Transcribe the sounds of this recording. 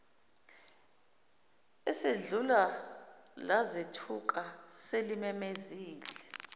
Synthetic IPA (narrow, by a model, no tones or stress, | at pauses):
ɛseɮula | lazetʰuk̬ʼaselimɛmeziːlɛ